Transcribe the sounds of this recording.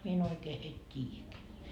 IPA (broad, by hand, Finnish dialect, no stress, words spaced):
mie en oikeː heit tʲiːjækeæ